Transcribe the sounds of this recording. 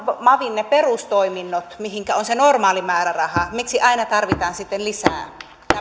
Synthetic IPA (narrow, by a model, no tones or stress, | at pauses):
ʋmɑʋinneperust̪oiminːot̪mihiŋkæonsenormɑːlimæːɾærɑhɑmiksiʔɑinɑt̪ɑrʋit̪ɑːnsit̪ːenlisæ̰ː | tæ